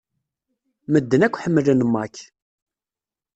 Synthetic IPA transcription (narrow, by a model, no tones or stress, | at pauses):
məd̪ːənækʷːħəmːələnmːɑk